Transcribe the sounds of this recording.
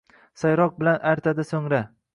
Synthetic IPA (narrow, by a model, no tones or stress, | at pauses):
sajɾɒq̚bɪlanʔaɾt̪ʰad̪ɪsoŋɾa